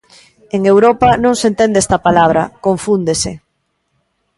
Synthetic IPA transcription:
eŋewɾopɐnõŋsent̪end̪eɛst̪ɐpalaβ̞ɾɐ̰koɱfund̪ese

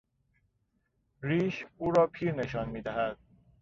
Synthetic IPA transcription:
ɾiːʃuːɾɒːpʰiːɾne̞ʃɒːnmiːd̪æɦæd̪̥̚

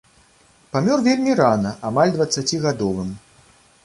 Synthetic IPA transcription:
pamʲɔrvʲelʲmʲiɾanɐʔamalʲd̪vɐt̪sːat͡sʲiɣad̪ɔvɨm

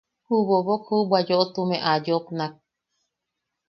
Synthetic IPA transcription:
huβoβokhubʷwad͡ʒoʔot̪umẽʔad͡ʒopnak̚

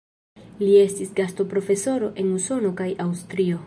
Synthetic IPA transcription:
lie̞stisɡasto̞pɾo̞fe̞so̞ɾo̞ʔe̞nuso̞no̞kajawstɾio̞

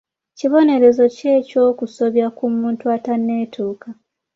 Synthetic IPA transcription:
ciβo̞ne̞ɾe̞zo̞ce̞ːco̞ːkuso̞βjakumuːntuatanːe̞ːtʰuːka

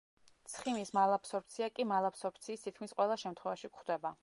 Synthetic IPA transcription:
t̪sʰχimismalˠapsɔɾp̚t̪sʰiakʼimalˠapsɔɾpʰt̪sʰiːst̪ʰit̪̚kʰmisqʼwɛlˠaʃɛmt̪ʰχwɛvaʃikχd̪ɛba

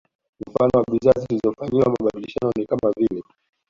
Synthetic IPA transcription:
m̩fanɔwaɓizaːzitilizɔfaɲiwamaɓaɗiliʃanɔnikamavilɛ

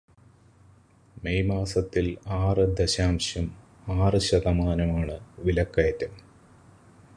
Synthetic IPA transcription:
mejmaːsɐt̪ːilaːrɨd̪eɕaːmɕjɐm | aːrɨɕɐðɐmaːnɐmaːɳɨʋilɐkːɐjɐtːɐm

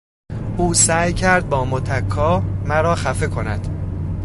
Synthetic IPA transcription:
ʔuːsæːjcʰæɾd̪̚bɒːmot̪ʰækʰːɒːmæɾɒːxæfe̞kʰo̞næd̪̥

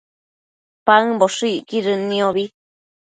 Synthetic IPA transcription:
paɨboʂɨiʔkiɾɨnĩoβi

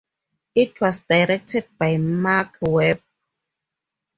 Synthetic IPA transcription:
ʔit̚ʰwasdajɾek̚t̪ʰet̪̚pajmaːkʰwep̚

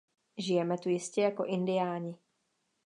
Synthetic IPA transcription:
ʒɪjɛmɛt̪ujɪscɛjako̞ʔɪndɪjaːɲɪ

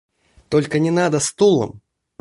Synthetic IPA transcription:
t̪ɔlʲkənʲɪnad̪ɐst̪ulˠə̰m

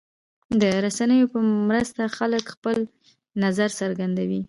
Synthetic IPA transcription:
d̪əɾasanəjopəmɾəst̪axaləkxpəl | nazaɾsəɾɡand̪awi

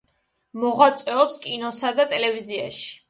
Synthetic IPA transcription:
mɔʁwat̪sʼwɛɔpskʼinɔsad̪at̪ʼɛlɛvizia̰ʃi̥

